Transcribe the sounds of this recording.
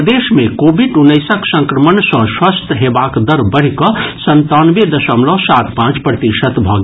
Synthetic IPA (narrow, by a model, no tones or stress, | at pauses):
d̪esmekobiɖunːəsəksə̃ŋkɾəmənsə̃swəst̪ʰɦebakd̪əɾbəɽ̤ikɔsənt̪anbed̪əsəmlɔ̃sat̪pãt͡ʃpɾət̪iʃət̪bʱɔɡ